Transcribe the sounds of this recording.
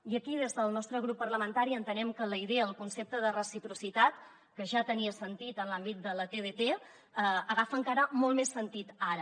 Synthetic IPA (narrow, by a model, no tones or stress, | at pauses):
iəkið̞ezðəlˠnɔst̪ɾəɣ̞ɾupːərləmənt̪aɾiənt̪ənɛmkələiðeəːlˠkunsep̚t̪əðərəsipɾusit̪at̪ | kəʒat̪əniəsənt̪it̪ənlambit̪̚d̪ələt̪eðet̪e | əəɣ̞afəŋkaɾəmɔlˠt̪mesːənt̪it̪aɾə